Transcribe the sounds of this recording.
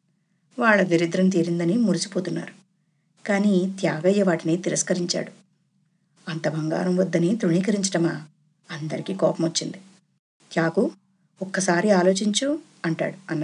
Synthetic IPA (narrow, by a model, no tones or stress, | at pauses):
ʋaːɭːɐd̪iɾid̪ɾɐnt̪̬iːɾind̪ɐnimuɾisi̥poːt̪unːa̰ːɾu | kaːniːt̪jaːɡɐjːɐʋaːʈineːt̪iɾɐskɐɾiɲt͡ʃa̰ːɽu | ɐnt̪ɐbʱɐŋɡa̰ːɾɐmʋɐd̪ːɐnit̪ɾuɳiːkɐɾiɲt͡ʃɐʈɐmɐ | ɐnd̪ɐɾikiːkɔːpɐmot͡ʃːind̪i | t̪jaːku | ɔkːɐsaːɾiaːlo̞ːt͡ʃiɲt͡ʃu | ɐɳʈa̰ːɽuɐnːɐ